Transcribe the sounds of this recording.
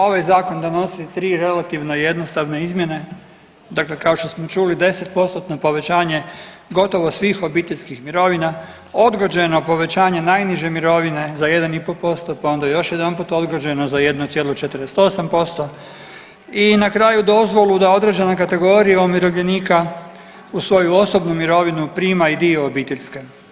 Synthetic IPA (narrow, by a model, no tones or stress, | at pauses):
o̞ʋajzaːko̞nd̪ano̞sit̪ɾiːɾe̞lˠat̪iʋnoje̞d̪nost̪aʋneizmje̞ne̞ | d̪akle̞kao̞ʃt̪o̞smo̞t͡ʃulid̪e̞se̞t̪̚po̞st̪ot̪nopo̞ʋe̞t͡ɕaːɲe̞ | ɡo̞t̪o̞ʋo̞sʋiːxo̞biːt̪eʎʲskixmiɾo̞ʋina | o̞d̪ɡod͡ʑeno̞po̞ʋe̞t͡ɕaːɲe̞najniʒe̞miɾo̞ʋine̞zaje̞d̪anipopo̞st̪opao̞nd̪ajejo̞ʃjed̪anpuːt̪o̞d̪ɡod͡ʑenozajed̪not̪jelˠot͡ʃet̪ɾest̪o̞sampo̞st̪o̞ | inakɾaːjud̪o̞zʋo̞lˠud̪ao̞d̪ɾed͡ʑe̞nakat̪e̞ɡo̞ːɾijaomiɾo̞ʋʎʲe̞niːka | usʋo̞juo̞so̞bnumiɾo̞ʋinupɾiːmaid̪io̞ːbiːt̪eʎʲske